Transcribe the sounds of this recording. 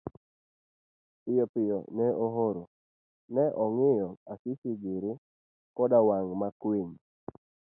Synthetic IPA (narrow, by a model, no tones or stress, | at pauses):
pɪjɔpɪjɔ̰nɛoɦoɾo | nɛʔɔŋɪjɔasɪsɪɡɪɾɪ | kɔdawaŋmakweɲ